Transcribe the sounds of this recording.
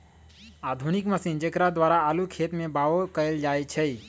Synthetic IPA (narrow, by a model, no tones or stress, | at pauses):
ad̪ʱunikməsiːnd͡ʒəkɾad̪ʋaːɾaːlukʰet̪mẽbaokəld͡ʒaːet͡ʃʰɛi